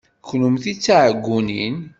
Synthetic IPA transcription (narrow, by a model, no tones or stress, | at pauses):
kːnumθit͡sːaʕəɡːunin